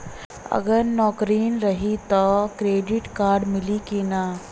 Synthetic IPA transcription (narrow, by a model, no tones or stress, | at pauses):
ɐ̰ɡəɾnɔːkɾiːnɾɐɦit̪ɔkɾeːɖɪʈkaːɾɖmɪlikina